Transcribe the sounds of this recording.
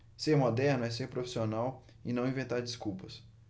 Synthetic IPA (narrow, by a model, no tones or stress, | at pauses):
seɾmod̪ɛɾnʊɛseɾpɾofi̥sionaw | ɪnɐ̃w̃ĩvẽnt̪aɾd͡ʒɪskuwpɐs